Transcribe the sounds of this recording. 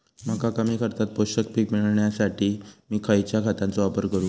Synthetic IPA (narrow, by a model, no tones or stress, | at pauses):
m̤akakəmiːkʰəɾt̪at̪̚poɕək̚pikmiɭɳjasaʈiːmiːkʰajt͡ɕjakʰat̪ãnt͡sɔʋapəɾkəɾuː